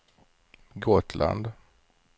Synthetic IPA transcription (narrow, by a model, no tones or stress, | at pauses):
ɡoːt̪ʰla̰nd̪